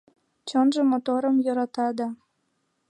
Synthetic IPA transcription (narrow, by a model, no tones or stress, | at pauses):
t͡ɕɤnʒəmot̪oɾəmjoɾɑt̪ɑd̪ɑ